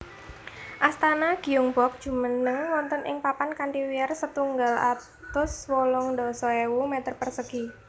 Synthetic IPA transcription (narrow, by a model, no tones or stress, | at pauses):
ʔast̪anaɡ̥i̤ʊŋbɔk̚d̥ʒ̥ṳmənəŋwɔnt̪ɔnʔɪ̰ŋpapankanʈiwiɛrsət̪uŋɡala̰t̪ʊswɔlɔŋɖɔsɔewumɛt̪ərpərsəɡ̥i